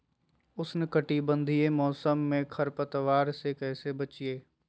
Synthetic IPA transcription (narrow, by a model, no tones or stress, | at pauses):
ʊsnɪkəʈibə̃nd̪ʱiemɔːsəmːẽkʰɐɾpət̪ʋaːɾsekɛːsebət͡ʃieː